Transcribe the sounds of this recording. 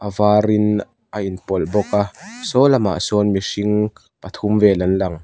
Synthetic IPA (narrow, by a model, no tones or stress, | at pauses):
ʔɐvaːɾin | ʔainpɔlbɔkasɔlɐma̰ʔsɔnmisiŋ | pɐt̪ʰumvɛːlɐnlɐŋ